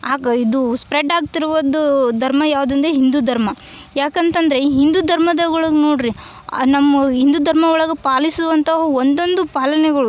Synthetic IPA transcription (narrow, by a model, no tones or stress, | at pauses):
aːɡɐid̪uspɾeɖaːɡt̪iɾuʋɐd̪ud̪ʱɐɾmɐjaːʋud̪ɐnd̪eɦind̪ud̪ʱɐɾmɐ | jaːkɐnt̪ɐnd̪ɐɾe̞ɦind̪ud̪ʱɐɾmɐd̪ɐɡɐɭɐɡnoːɽɾi | nɐmːɐɦind̪ud̪ʱɐɾmɐɔɭɐɡepaːlisuʋɐnt̪ʰɐɦɐond̪o̞nd̪upaːlɐnɛɡɐɭu